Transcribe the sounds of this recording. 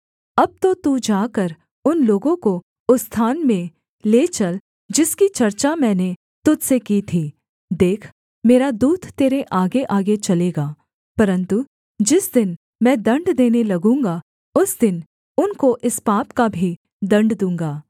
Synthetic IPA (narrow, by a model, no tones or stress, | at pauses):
ɐb̚t̪ot̪ud͡ʒaːkəɾ | ʊnloːɡõko | ʊst̪ʰaːnmẽ | leːt͡ʃɐl | d͡ʒɪskit͡ʃɐɾt͡ʃamɛ̃ːne | t̪ʊd̪sekiːt̪ʰiː | d̪eːkʰ | meːɾad̪uːd̪t̪ːeːɾeʔaːɡeʔaːɡet͡ʃɐleːɡaː | pɐɾə̃nt̪u | d͡ʒɪsd̪ɪn | mɛ̃ːd̪ɐ̃ɳɖd̪eːnelɐɡũːŋɡa | ʊsd̪ɪn | ʊnkoʔɪspaːpkabʱi | d̪ɐ̃ɳɖd̪ũːŋɡaː